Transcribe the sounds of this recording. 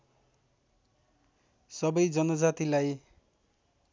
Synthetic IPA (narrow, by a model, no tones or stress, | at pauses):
sʌbʌjd͡ʒʌnɔd͡zat̪ilaj